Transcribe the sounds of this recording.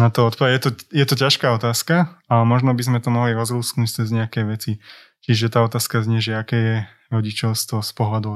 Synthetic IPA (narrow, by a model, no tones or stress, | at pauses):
nat̪ɔɔt̪̚pɔʋɛjɛt̪ɔjɛt̪ɔcaʃkaːɔt̪aːskaamɔʒnɔbizmɛt̪ɔmɔɦliɾɔzɾuːsknuːc̚t͡sɛzɲɛakɛʋɛt͡si | cɪɛʒʒɛt̪aːɔt̪aːskazɲɛʒɛakɛːjɛ | ɾɔɟit͡ʃɔʊst̪ʋɔspɔɦlad̪u